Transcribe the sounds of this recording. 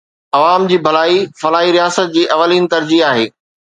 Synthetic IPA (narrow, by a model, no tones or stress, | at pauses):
ɐʋaːmd͡ʑiːbʱɐlaːifɐlaːɦiɾijaːsət̪̚d͡ʑiːʔɐʋəliːnɪt̪ɐɾd͡ʑiaːɦeː